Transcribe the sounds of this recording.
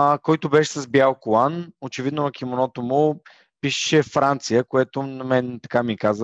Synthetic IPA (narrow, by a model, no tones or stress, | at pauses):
kɔjt̪ʊbɛʃɛ̥sɐzbjalˠkʊlanot͡ʃɛvid̪nonɐk̟imonɔt̪omʊ | piʃɛ̥ʃɛfɾant̪sijəkoɛt̪ʊnɐmɛnt̪ɐkamikaz